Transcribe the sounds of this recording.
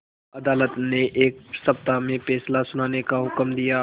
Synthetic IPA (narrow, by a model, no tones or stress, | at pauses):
ɐd̪aːlət̪neʔeːk̚sɐp̚t̪amẽfɛːslasʊnaːnekaɦʊkmd̪ija